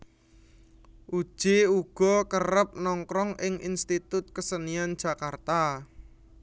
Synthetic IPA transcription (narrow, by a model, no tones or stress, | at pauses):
ʔud̥ʒ̥euɡ̥ɔ̤kəɾəp̚nɔŋkɾɔŋɪŋinst̪it̪ʊt̪̚kəsənian̥ʒ̥a̤kart̪a